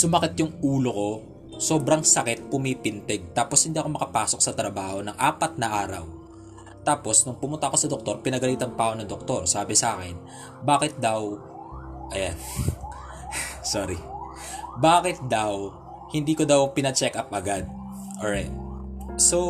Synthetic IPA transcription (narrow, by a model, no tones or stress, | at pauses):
sʊmɐkɪt̪jʊŋʔuːloko̞ | so̞ːbɾɐŋsɐkɛt̪̚pʊmipɪnt̪ɛɡ̚t̪aːposhɪnd̪iːɐkomɐkɐpaːsok̚sɐt̪ɾɐbaːho̞nɐŋʔaːpɐt̪̚nɐʔaːɾɐ̰w | t̪aːpo̞snʊŋpʊmʊnt̪ɐʔko̞sɐd̪ok̚t̪o̞ɾpɪnɐɡɐliːt̪ɐŋpaːʔonɐŋd̪ok̚t̪o̞ɾsaːbɛsɐʔaːkɛn | baːkɪt̪̚d̪aw | ʔɐjan | soːɾi | baːkɪt̪̚d̪ɐw | hɪnd̪iːkod̪ɐwpɪnɐt͡ʃɛkʔɐp̚ʔɐɡad̪̚ | ʔoɹajt̪̚so